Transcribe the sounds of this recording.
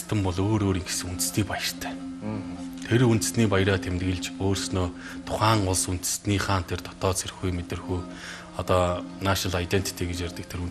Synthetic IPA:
t̪ʰə̆mpɔɮoːɾoːɾiŋxsɘ̆unt̪̆sniːpajə̆r̥t̪ʰæ̥ː | t̪ʰeɾunt̪ɘ̆sniːpaj̆ɾaːt̪ʰemt̪ɡɘ̆ɮt͡ɕoːrsnoː | t̪ʰʊ̥χaːŋʊɮsun̥t̪ɘ̥̆sniːχaːn̥t̪ʰert̪ʰɔ̥t̪ɔːt͡sʰerxujmet̪ɘ̆rxuː | ɔt̪ɔːnaʃɮajt̪ent̪ʰi̥t̪ʰiɡet͡ɕjærʲt̪ə̆kt̪ʰeɾun

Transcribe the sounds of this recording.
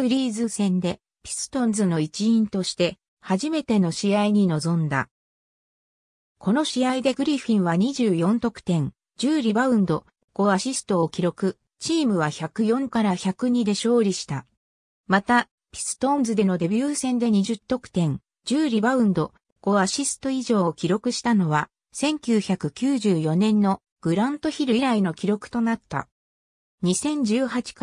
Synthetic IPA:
ɯ̟ɾʲiːzɨsẽ̞nd̪e̞ | pʲi̥sɨ̥t̪õnzɨno̞it͡ɕiĩnt̪o̞ɕi̥t̪e̞ | haʑime̞t̪e̞no̞ɕiaiɲ̟ino̞zõ̞nd̪a̰ | kʰo̞no̞ɕiaid̪e̞ɡɯ̟ɾʲiɸʲĩɰ̃βaɲ̟iʑɨːjõ̞nt̪o̞kɯ̥t̪ẽ̞ŋ | d͡ʑɨːɾʲibaɯ̟̃nd̪o̞ | ɡ̥o̞aɕisɨ̥t̪o̞okʲiɾo̞kɯ̟ | t͡ɕiːmɯ̟βaçakɯ̟jõ̞ŋkaɾaçakɯ̟ɲ̟id̪e̞ɕo̞ːɾʲiɕi̥t̪a | mat̪a | pʲi̥sɨ̥t̪õ̞nzɨd̪e̞no̞d̪e̞bʲjɨːsẽ̞nd̪e̞ɲ̟iʑɨt̪ːo̞kɯ̟̥t̪ẽ̞ŋ | d͡ʑɨːɾʲibaɯ̟̃nd̪o̞ | ɡ̥o̞aɕisɨ̥t̪o̞iʑo̞ːkʲiɾo̞kɯ̟ɕi̥t̪ano̞βa | sẽ̞ŋkʲɨːçakɯ̟kʲɨːʑɨːjo̞nẽ̞nːo̞ | ɡ̥ɯ̟ɾãnt̪o̞çiɾɯ̟iɾaino̞kʲiɾo̞kɯ̟̥t̪o̞nat̪ːa̰ | ɲ̟isẽ̞ɲ̟d͡ʑɨːhat͡ɕi̥

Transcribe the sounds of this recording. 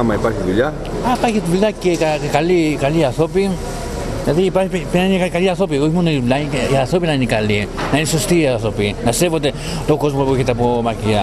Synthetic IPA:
amajpaɾkit̪uja | apakit̪ulakekakalikaliasopi | nat̪iipapenanakaliasop̬iomunoilaasopinanikalinanisost̪iasopinasepot̪̬e | t̪okospobokit̪ap̬omakia

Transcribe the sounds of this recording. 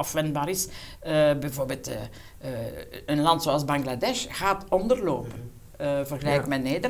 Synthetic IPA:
ɑfʋɛndbaːɾɪs | əbɛvoːrbeːlˠtː | ənlɑntsoɑlˠzbɑŋɡladɛʃɣaːtɔndərloːpən | əvərɣəlɛjkmɛneːdə

